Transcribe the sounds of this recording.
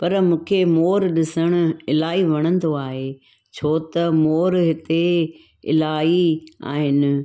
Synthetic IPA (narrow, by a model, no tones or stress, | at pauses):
pɐɾmũːkʰemoːɾɗɪsəɽ̃ʊ̆ɪlaːɦiʋɐɽ̃ə̃nd̪oaːɦe | t͡ɕʰoːt̪ɐmoːɾɦɪt̪e | ɪ̰laːia̰ːɦɪnɪ̆